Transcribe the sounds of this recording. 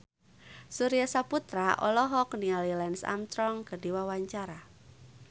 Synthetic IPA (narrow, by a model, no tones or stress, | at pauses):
suɾijasaput̪ɾaʔɔ̰lɔɦɔknialilɛnsa̰mst̪ɾɔŋkərdiwawaɲt͡ʃaɾa